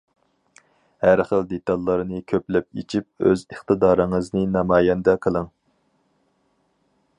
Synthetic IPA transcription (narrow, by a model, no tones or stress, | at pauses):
hæɾχəld̪et̪ɑlˠːɨɾɨnɨkʲʰøplɛp̚ḭt͡ʃʰip̚øzəχt̪ɨd̪ɑːɾɨŋəznɨnɑmɑːjɛnd̪ɛqʰəlˠɨŋ